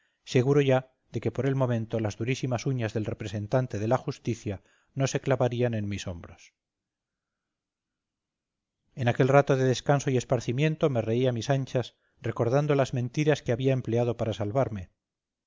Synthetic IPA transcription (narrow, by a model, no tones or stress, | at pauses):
se̞ɣ̞uɾo̞ʝa | ðe̞ke̞po̞ɾe̞lmõ̞mẽ̞nt̪o̞lazðuɾisimasuɲazðe̞lre̞pɾese̞nt̪ant̪e̞ð̞e̞laxust̪iθja | no̞se̞klaβaɾiane̞nmiso̞mbɾo̞s | e̞nake̞lrat̪o̞ðe̞ðe̞skanso̞iespaɾθimjẽ̞nt̪o̞me̞re̞iamisaɲt͡ʃas | re̞ko̞ɾð̞and̪o̞lazmẽ̞nt̪iɾaskeaβiaemple̞að̞o̞paɾasalβaɾme